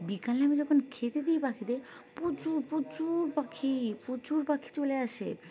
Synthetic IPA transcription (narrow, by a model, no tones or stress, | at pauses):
bikaleamid͡ʑɔkʰonkʰet̪ed̪ijpakʰid̪eɾ | pot͡ɕuɾpot͡ɕuɾpakʰipot͡ɕuɾpakʰi̥t͡ɕoleaʃḛ